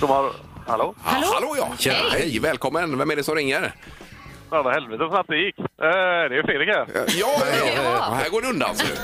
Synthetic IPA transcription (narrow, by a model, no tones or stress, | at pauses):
d̪ɔmaɾ | ha̰loːhhaloːjɑ̰ːæhɛɛjvɛːlkʰɔmːənvɛmæɖɛsɔmɾɪŋːəɾ | ɛvahɛlvɛt̪əsɔnat̚d̪ɛjɪkːɛd̪ɛjəfleːɾɛkʰaajɑːjjɑːhæːɡoːɖɛɵnd̪a̰lsɔd̪ʉ̰ː